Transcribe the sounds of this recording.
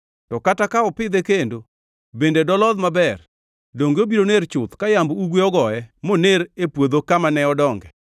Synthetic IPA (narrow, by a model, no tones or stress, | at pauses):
tɔkatakaɔpɪd̪ekendo | bendedɔlɔðmabɛr | doŋɡeobiɾoneɾt͡ʃʊt̪kajambuɡweɔɡɔɛmoneɾepwod̪okamanɛɔdɔŋɡɛ̰